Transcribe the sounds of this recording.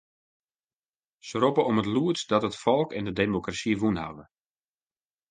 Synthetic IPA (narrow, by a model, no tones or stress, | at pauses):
səɾopəɔmətluətsdɔtətfɔlˠkɛndədemokrasiʋunha̰və